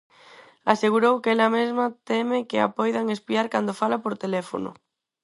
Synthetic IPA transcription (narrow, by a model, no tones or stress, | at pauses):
aseɣ̞uɾowkelamezmat̪emekea̰pojðaŋespiaɾkand̪ofalapoɾt̪elefo̰no̰